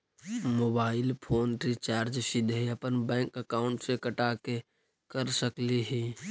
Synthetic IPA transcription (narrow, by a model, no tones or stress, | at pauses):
moːbaːɪlpʰoːnʈɾit͡ʃaːɾd͡ʒsɪd̪ʱeiəpənbɛ̃ːŋkəkaːʊɳʈsekəʈaːke | kəɾsəkliɦi